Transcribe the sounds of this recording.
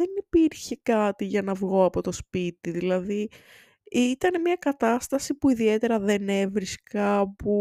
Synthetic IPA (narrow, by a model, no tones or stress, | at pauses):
enipiɾçe̞kɐt̪iʝɐnɐvɣo̞ɐpo̞t̪o̞spit̪iðilɐði | it̪ɐne̞mɲɐkɐt̪ɐst̪ɐsipuiðie̞t̪e̞ɾɐðe̞ne̞vɾiskɐpu